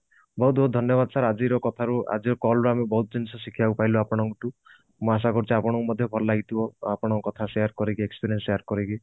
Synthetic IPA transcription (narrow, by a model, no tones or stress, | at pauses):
bɔɦut̪̚bʱɔɦut̪̚dʱɔnjɔβad̪ɔsʰaɾad͡ʒiɾɔkɔt̪ʰaɾua̰d͡ʒiɾɔkɔlɾuamebɔɦut̪ɔd͡ʒinisɔsikʰiaupajloapɔɽ̃ɔŋkɔʈu | muas̬akɔɾt͡ʃiapɔɽ̃ɔkumɔd̪ʱjɔbʱɔɾɔlaɡit̪ibɔapɔɽ̃ɔkɔkɔt̪ʰasejaɾkɔɾikiekspiɾiɔnsejaɾkɔɾiki